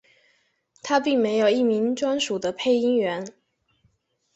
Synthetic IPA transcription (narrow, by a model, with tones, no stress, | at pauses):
t̪ʰa˥pi˥˩ŋme˧˥ɪjo˨˩ʊi˥˩mi˧˥ŋʈ͡ʂwa˥nʂu˨˩d̪ə˦pʰe˥˩ɪi˥ŋɥɛ˧˥n